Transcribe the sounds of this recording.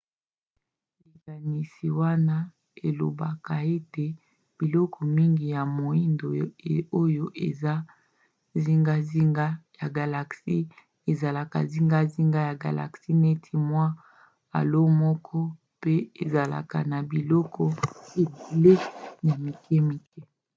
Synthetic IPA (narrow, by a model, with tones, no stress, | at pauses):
e˨ɡa˨ni˨si˨wa˦na˦ | e˨lo̰˨ba˨ka˨e˦te˨ | b̥i˨lɔ˦kʰɔ˨mi˦ŋɡi˨ja˨mo˨i˦ndo˨o˦jo˦ʔḛ˨za˦ | zi˦ŋɡa˦zi˦ŋɡa˦ja˨ɡa˨la˨ksi˦ | e˨za˨la˨ka̰˨zi˦ŋɡa˦zi˦ŋɡa˦ja˨ɡa̰˨la̰˨ksi˦ne˦tʰi˦mwa˦ | a̰˨lo˦mɔ˦kʰɔ˦ | pe˦e˨za˨la̰˨ka̰˨na˨bi˨lɔ˦kɔ˦e˨be˨le˦na˨mi˨kɛ˦mi˨kɛ˦